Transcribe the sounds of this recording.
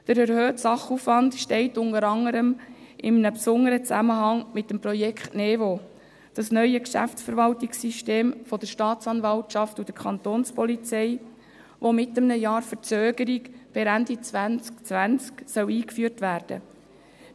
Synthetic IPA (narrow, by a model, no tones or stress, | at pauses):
d̥əɾɛɾhøːtsɑχufʋɑndʃtɛɪtʊnəɾɑŋəɾəmʔɪmənəpsʊnəɾət͡sæməɦɑŋmɪtːəmprɔjɛkχtnɛvo | d̥ɑsnœʏəkʃæ̰ftsfəɾʋɑltiksiʃteːmfɔd̥̪əɾʃtɑːtt͡sɑnvɑltʃɑftud̥̪əkʰɑnt̪oːnspɔlit͡sɛɪ | ʋomɪtːəmnəjɑːɾfəɾt͡søːɡ̥əɾiɡb̥ɪɾændit͡sʋænt͡skt͡sʋænt͡sksœwiːkfyəɾtʋæːɾd̥ə̰